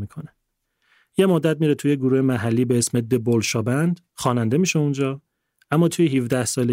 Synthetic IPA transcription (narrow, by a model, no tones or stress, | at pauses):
ikʰone | je̞mod̪ːæd̪̚miːɾet̪ʰujeɡuɾuːhemæɦælːiːbeesmed̪ːebolʃɒːbænd̪ | xɒːnænd̪e̞miːʃeund͡ʒɒː | ʔæmːɒːt̪ʰujeɦivd̪æhsɒːle